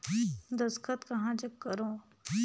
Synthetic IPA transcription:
d̪ɐskət̪kɐɦãd͡ʒɐkːəɾõː

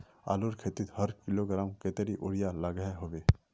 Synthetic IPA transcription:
a̰ːluɾkʰeːt̪ɪt̪həɾkɪloɡɾaːmket̪eɾiʔʊɾjalaɡɦeɦoʋeː

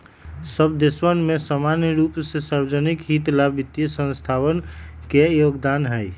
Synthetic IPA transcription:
səbd̪eswənmesamanjəɾupsesaɾbd͡ʒənikɦit̪labit̪jəsə̃nst̪ʰawənkejoɡd̪anɦəj

